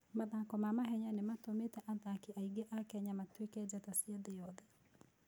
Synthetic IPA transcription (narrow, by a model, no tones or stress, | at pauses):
maðakɔmamaɦɛɲanematometɛʔaðakiaiɡeʔakɛɲamatwekɛd͡ʒɛtasiaðejɔðɛ